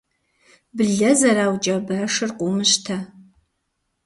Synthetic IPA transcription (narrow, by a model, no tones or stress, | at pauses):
bɨɮɐzɐɾaːwt͡ʃʼɐbɐʂɨrqʷʼʊmɨʃtʰɐ